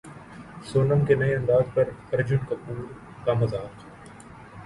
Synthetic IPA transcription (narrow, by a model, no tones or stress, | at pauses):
soːnəmkenɐeɐ̃nd̪aːzpɐɾɐɾd͡ʒʊnkɐpuːl | kamɐzaːq